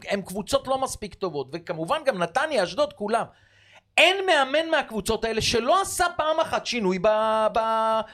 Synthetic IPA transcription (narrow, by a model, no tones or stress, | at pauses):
emkvut͡so̞tlo̞maspikt̪o̞vo̞t̪ve̞kamuvanɡamnat̪anjeaʃd̪o̞d̪̚kulam | e̞nme̞ame̞nmeakvut͡so̞t̪ae̞le̞ʃe̞lo̞asapaːmaχatʃinujbaba